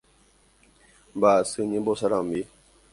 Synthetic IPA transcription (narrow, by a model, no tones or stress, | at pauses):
mbasɨɲĩbɔsaɾambi